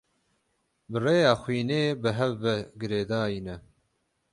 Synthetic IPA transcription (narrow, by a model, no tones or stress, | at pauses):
bɨreːjɑːxʷiːneːbɨɦɛvːɛɡɨɾeːd̪ɑːjinɛ